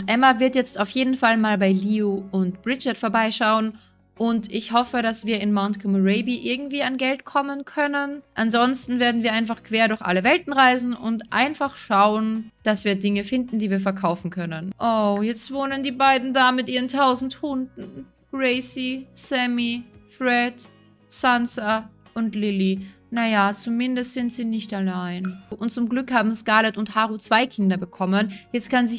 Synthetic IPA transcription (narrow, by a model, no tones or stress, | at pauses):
ʊntʔɛmavɪɐtjɛt͡staʊfjeːdn̩falmaːlbaɪliːoʊntb̥ʁɪt͡ʃɐtfoɐbaɪʃaʊən | ʔʊntɪçhɔfəɾasv̥iːɐɪnmaʊntkʰomoʁɛɪbiʔɪɐɡŋ̩tv̥iːanɡɛltkʰɔmənkʰœnənʔanzɔnstn̩veːɐdn̩viːɐʔãɪnfaχkv̥eːɐɾʊɐçʔa̰ləvɛltn̩ʁaɪzn̩ʊntʔa̰ɪnfaχʃaʊənd̥asv̥iːɐdɪŋəfɪndn̩diːviːɐfɛɐkʰaʊfn̩kʰœnənʔoːjɛt͡stv̥oːnəndiːbaɪdn̩daːmɪtʔiːʁəntʰaʊzn̩thʊndn̩ | ɡ̥ʁɛɪsisɛmifʁɛd | sansaʔʊntlɪli | najat͡sumɪndəstz̥ɪntz̥iːnɪçtalaɪnʔʊnt̚t͡sʊmɡlʏkhaːbm̩skaɐlɛtʊnthaːʁut͡sv̥aɪkʰɪndɐbəkʰɔmənjɛt͡st̚kʰanzɪ